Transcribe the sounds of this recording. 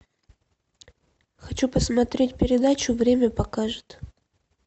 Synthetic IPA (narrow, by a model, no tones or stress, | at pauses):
xɐt͡ɕupəsmɐt̪ɾʲetʲpʲɪɾʲɪd̪at͡ɕʊvɾʲemʲəpɐkaʐɨt̪